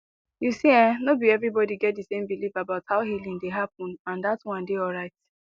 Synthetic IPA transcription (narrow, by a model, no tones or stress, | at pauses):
jusiɛ̃nobiɛvɹibɔdiɡɛt̚dɨsẽmbilivabaʊthaʊɦilĩŋdeɦap̚ɔ̃nãndatwʌ̃ndeɔlɹaɪt